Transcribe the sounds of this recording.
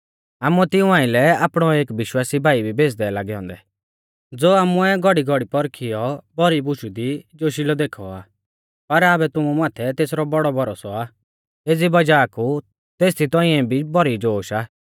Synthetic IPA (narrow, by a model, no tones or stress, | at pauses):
aːmuɛt̪ɪũãːɪ̃lɛaːpɽ̃ɔeːkʋɪʃwaːsibʱaːibʱibeːs̬d̪ɛlaːɡɛɦɔ̃ːnd̪ɛ | d͡zoːaːmuɛɡɔɽiɡɔɽipɔɾkʰɪjɔbɔɾibʊʃud̪id͡ʒoːʃilɔd̪eːkʰɔaː | pɐɾaːbɛt̪ʊmumaːt̪ʰɛt̪eːsɾɔbɔɽɔbɔɾɔsɔaː | eːd͡zibɐd͡ʒaːku | t̪eːst̪ʰit̪ɔ̃iɛ̃bʱibɔɾid͡ʒoːʃaː